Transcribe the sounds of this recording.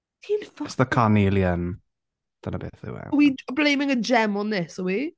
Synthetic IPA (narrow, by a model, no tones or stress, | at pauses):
tʰinfsðəkʰaniːljən | d̥ənəbḛːθə̰wɛ̰wiblejmɪŋəd͡ʒɛmɔnðɪsəwi